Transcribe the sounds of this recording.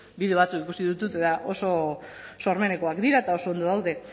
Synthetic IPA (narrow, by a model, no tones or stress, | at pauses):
biðeβat͡sukikusiðut̪ut̪eðaʔo̞so̞so̞ɾme̞ne̞ko̞akd̪iɾaet̪ao̞so̞ːnd̪oðawðe̞